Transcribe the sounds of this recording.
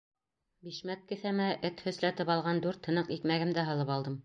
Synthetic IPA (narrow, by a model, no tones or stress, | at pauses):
biʃmæt̪̚kɘ̆θæmæʔɘt̪hɵ̆slæt̪ɘpɑlˠʁɑnd̪ʉɾt̪hɤ̆nɤqikmæɡɘ̆md̪æɦɤ̆lˠɤpɑlˠd̪ɤm